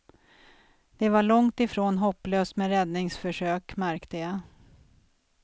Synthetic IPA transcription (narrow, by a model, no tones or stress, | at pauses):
d̪̥ɛvaɭɔŋt̪ɪfɾoːnɦɔpːløːst̪mɛɾɛd̪nɪŋsfœʂøːkmæɾkt̪əja